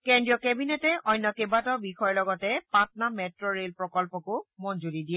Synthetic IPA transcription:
kɛndɹijɔkɛbinetɛʔɔjnːɔkebatɔbixɔjɔlɔɡɔtɛpatnamɛtɹɔɹelpɹɔkɔlpɔkʊmɔnd͡ʒulidijɛ

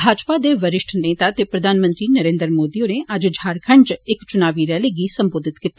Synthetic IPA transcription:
bʱaːd͡ʒpaːd̪eːʋəɾɪʃʈʰnẽːt̪aːt̪epɾɐd̪ʱaːnmə̃nt̪ɾiːnəɾeːnd̪ɾmoːd̪iːõneʔɐd͡ʒd͡ʒʱaːɾkʰəɳd͡ʒɪkt͡ʃʊnaːʋiːɾɛːleɡiːsə̃mboːd̪ʱɪt̪kɪt̪ː

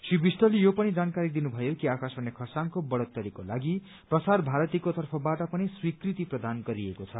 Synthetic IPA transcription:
sibisʈʌlijopʌnid͡zankaɾid̪inubʱʌjokiakasbʌnːekʰʌsaŋkobʌɽʌt̪ːʌɾikolaɡi | prʌsarbʱaɾʌt̪ikot̪ʌrpʰʌbaʈʌpʌniswikrit̪iprʌd̪anɡʌɾiekot͡sʰʌ

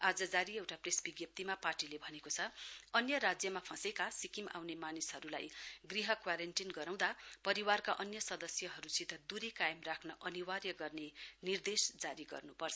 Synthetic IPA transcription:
ad͡zʌd͡zaɾiewʈapresbiɡjʌp̚t̪imaparʈilebʱʌnekot͡sʰʌʌnjʌɾad͡zjʌmapʰʌ̃sekasikima̰wnemanisɦʌɾula̰jɡriɦʌkwaɾenʈinɡʌɾaw̃d̪apʌɾiwarkaʔʌnjʌsʌd̪ʌsjʌɦʌɾusit̪ʌd̪uɾikajemrakʰnʌʔʌniwarjʌɡʌrnenird̪esd͡zaɾiɡʌ̰rnupʌrt͡sʰʌ

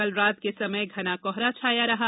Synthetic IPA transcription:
əlɾaːt̪̚kesɐməjɡʱɐnakɔːɦɾat͡ʃʰaːjaɾɐɦaː

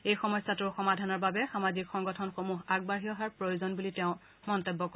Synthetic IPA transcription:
ejxɔmɔjsatʊɹxɔmadʱanɔɹbabɛxamazikxɔŋɡɔtʰɔnxomuɦaɡ̚baɦijɔɦaɹpɹojozɔnbuliteʊ̃ | mɔntɔbːɔk

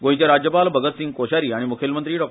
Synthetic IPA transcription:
ɡõɦĩt͡ɕaɾad͡ʑjəpalbʱəɡət̪sĩŋɡ̚koɕaɾiːaɽ̃imukʰjelmənt̪ɾiːɖɔk̚

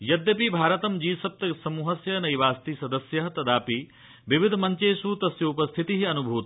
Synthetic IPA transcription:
jɐd̪jɐpibʱaːɾɐt̪ɐmd͡ʒiːsɐp̚t̪ɐsɐmuːɦɐsjɐnɐjʋaːst̪isɐd̪ɐsjɐɦɐt̪ɐd̪aːpi | ʋiʋid̪ʱɐmɐɲt͡ʃeːsut̪ɐsjɐupɐst̪ʰit̪iɦiɐnubʱuːt̪ɐ

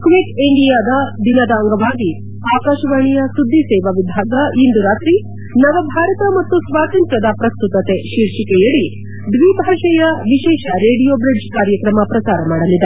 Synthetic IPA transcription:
kʋekiɳɖijaːd̪ɐd̪inɐd̪ɐːŋɡɐʋaːɡi | aːkaːʃɐʋaːɳijɐsud̪ʱːisɛːʋɐʋibʱaːɡɐind̪uɾaːt̪ɾi | nɐʋɐbʱaːɾɐt̪ɐmɐt̪ːusʋaːt̪ɐnt̪ɾɐd̪ɐpɾɐst̪ut̪ɐt̪eʃiːɾʃikɛjɐɭi | d̪ʋibʱaːʃɐjɐʋiʃɛːʃɐɾeːɽijoːbɾiɖd͡ʒkaːɾjɐkɾɐmɐpɾɐsaːɾɐmaːɽɐlid̪e

